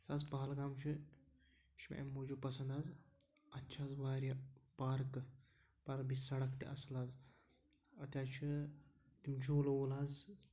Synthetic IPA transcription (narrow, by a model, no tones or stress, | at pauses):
sazbaːlɡaːmt͡ʃʰi | t͡ʃʰim̰ʔḛmːod͡ʒupɐsɐnd̪aːz | ɐtːt͡ʃʰaːzbaːɾʲapaːɾkɨ | paɾk̚bisɐɽɐkt̪ḭʔɐsɨlaːz | ɐt̪ʲaːt͡ʃʰit̪imd͡ʒuːlolaːz